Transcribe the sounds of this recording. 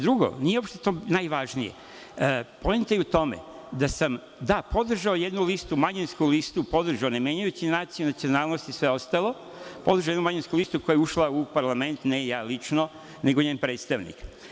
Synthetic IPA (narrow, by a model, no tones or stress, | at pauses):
d̪ɾuɡo̰nijeo̞pʃt̪et̪o̞ːnajʋaʒnijḛ | poment̪ejeut̪o̞mḛd̪asam | d̪apo̞d̪r̩ʒaojed̪nulist̪umaɲenskulist̪upo̞d̪r̩ʒaonemjeɲujut͡ɕinaːt̪sijunat̪sio̞naːlˠnost̪isʋe̞o̞st̪alˠo̞ | po̞d̪ɾrʒaojd̪numaɲenskulist̪uko̞jeuʃlaupaɾlˠame̞nt̪nejaːlit͡ʃno | ne̞ɡoɲeːnpɾe̞ːt̪st̪aʋnḭk